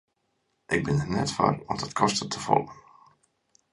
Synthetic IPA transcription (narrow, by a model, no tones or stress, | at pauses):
ʔɪɡ̚bɪnənɛtfa̰rɔdɔtkʰɔstətʰəfɔ̰lˠən